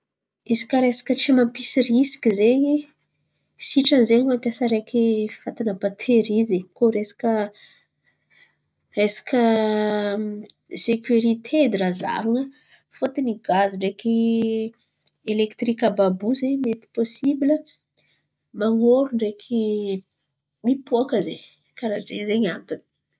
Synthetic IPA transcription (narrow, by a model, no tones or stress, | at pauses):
izi̥kʲəɾesḁkʲət͡simampisirisi̥kʲizeɲi | siʈ͡ʂanzeɲimampjasəɾekʲʰi̥fat̪inəbat̪ʰeɾizekoɾesḁkʲə | resḁkə | sekʰuɾit̪ʰed̪iɾaza̰vaŋə | fot̪iniɡaziɳɖ͡ʐeki | elekt̪rikəbabuzeɲmet̪i̥posibilə | maŋoɾuɳɖ͡ʐekʰi | mipoakəze | kaɾad͡zḛzeɲant̪ini̥